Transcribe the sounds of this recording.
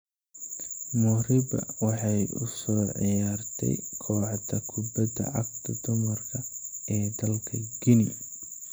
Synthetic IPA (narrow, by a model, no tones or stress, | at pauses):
mʊrɪbɐ̰wɑħɑjʊ̰sɔːʕɪjaːrt̪ʰɛ̰jkʰɔːʕt̪ʰɐkʰʊbɐd̪ɐ̰ʕɑɡ̚t̪ʰɐd̪ʊmɐrkʰɐɛːd̪ɐlkʰɐɡɪni